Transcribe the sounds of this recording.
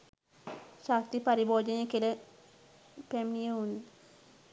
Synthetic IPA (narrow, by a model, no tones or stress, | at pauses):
sak̚t̪ipaɾiboːd͡ʒənekele | pɛmnijeunːi